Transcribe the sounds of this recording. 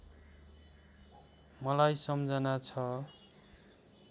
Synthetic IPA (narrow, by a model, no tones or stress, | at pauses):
mʌlajsʌmd͡zʱʌnat͡sʰʌ